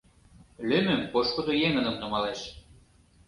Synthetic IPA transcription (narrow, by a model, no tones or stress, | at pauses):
lømɘ̆mpoʃkŏd̪ojeŋə̆nɤ̆mnɤ̆mɑleʃ